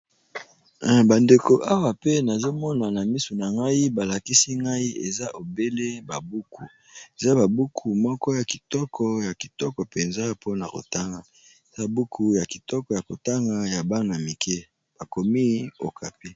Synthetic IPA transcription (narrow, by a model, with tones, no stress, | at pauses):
ba˨nde˨ko˨ʔa˦wa˨pe˦na˨zo˦mɔ˦na˨na˨mi˦su˨na˨ŋɡa˦i˦ba˨la˨ki˦si˦ŋɡa˦i˦ḛ˨za˦ʔo˨be˦le˦ba˨bu˦kʰu˨ | e˨za˦ba˨bu˦kʰu˨mɔ˦kɔ˦ja˨ki˨tɔ˦kʰɔ˨ja˨ki̥˨tɔ˦kɔ˨pe˨nza˦pʰo˦na˨ko̰˨ta˦ŋɡa˨ | e˨za˦bu˦kʰu˨ja˨ki˨tɔ˦kɔ˨ja˨ko˨ta˦ŋɡa˨ja˨ba˦ŋa˨mi˨kɛ˦ | b̥a˨ko˨mi˦o̰˨kʰa˨pi˦